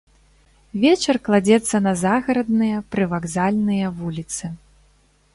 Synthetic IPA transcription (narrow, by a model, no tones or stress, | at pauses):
vʲɛt͡ʃɐrklˠad͡zʲɛt̪sːɐnɐzaɣɐɾɐd̪nɨjɐpɾɨvaɡzalʲnɨjɐvulʲit̪sɨ